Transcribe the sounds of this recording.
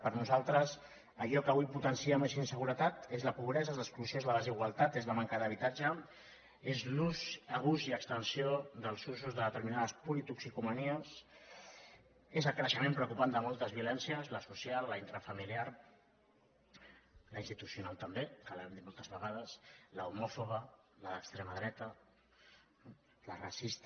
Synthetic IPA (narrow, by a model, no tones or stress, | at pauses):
pəɾnuzalˠt̪ɾəs | əʎɔkəβuijput̪ənsiəmezinsəɣuɾət̪at̪ezləpuβ̞ɾɛzaəzləksklusjoezləðəziɣwalˠt̪at̪ezləmaŋkəðəβ̞it̪ad͡ʒə | ezluzəɣ̞uziəkst̪ənsioðəlˠzus̬uzðəðət̪əɾminaðəspulit̪uksikuməniəs | ezəlkɾəʃəmẽmpɾəukupand̪əmɔlˠt̪əzβiulɛnsiəzləsusjalləint̪ɾəfəmiliaɾ | ləinst̪i̥t̪usjunalˠt̪əmbekəlaɛmd̪it̪molˠt̪əzβəɣað̞əsləumɔfoɣə | ləðəkst̪ɾeməðɾɛt̪ə | ləra̰sist̪